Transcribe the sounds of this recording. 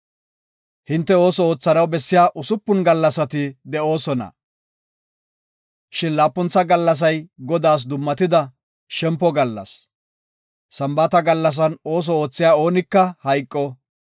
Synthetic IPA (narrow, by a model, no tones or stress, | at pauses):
hɪnt̪ːɛo̞ːsɔoːt͡sːɐnɐwbɛsːɪjaːʔʊsʊpːʊnɡɐlːɐsɐt̪ɪd̪ɛo̞ːsɔnɐ̰ | ʃɪnlaːpːɔnt͡sːɐɡɐlːɐs̬ɐjɡɔd̪aːs̬d̪ʊmːɐt̪ɪd̪ɐ | ʃɛmpːɔɡɐlːɐ̰s | ɐmbɐt̪ɐɡɐlːɐs̬ɐno̞ːs̬ɔoːt͡sːɪjaːo̞ːnɪkːɐhɐjkʼːɔ